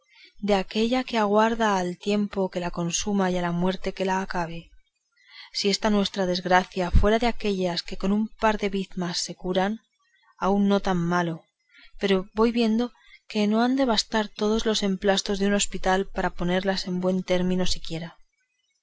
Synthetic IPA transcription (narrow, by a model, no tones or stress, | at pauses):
d̪e̞ake̞ʎake̞aɣ̞waɾðaːlt̪je̞mpo̞ke̞lako̞nsumajalamwe̞ɾt̪e̞ke̞laːkaβ̞e̞ | sie̞st̪anwe̞st̪ɾað̞e̞zɣɾaθjafwe̞ɾaðe̞ake̞ʎaske̞ko̞numpaɾðe̞βiðmasːe̞kuɾan | aunːo̞t̪amːalo̞ | pe̞ɾo̞βo̞jβje̞nd̪o̞ | ke̞no̞and̪e̞β̞ast̪aɾt̪o̞ð̞o̞zlo̞se̞mplast̪o̞zðeuno̞spit̪alpaɾapo̞ne̞ɾlase̞mbwe̞nt̪e̞ɾmĩno̞sikje̞ɾa